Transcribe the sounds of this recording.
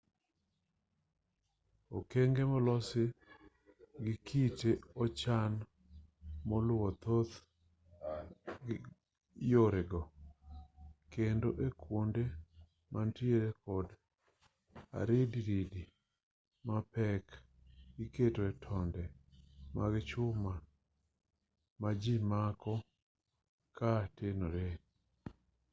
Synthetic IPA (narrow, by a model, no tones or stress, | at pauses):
ɔkeŋɡemɔlɔsɪ | ɡɪkʰiteɔt͡ʃan | mɔlʊwɔt̪ot̪ | joɾeɡɔ | kendoʔekwonde | mantɪeɾekɔd | a̰ɾediɾidi | mapɛk | iketoɛtʰɔndɛmaɡt͡ʃʊma | mad͡ʒimakɔ | katenoɾe